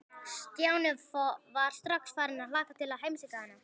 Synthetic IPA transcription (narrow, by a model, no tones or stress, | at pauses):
st̪jaːwnɛvfɔvaɾ̥st̪ɾaksfaːɾɪnaðlaːkat̪ʰɪlaðɦejmsikahanːa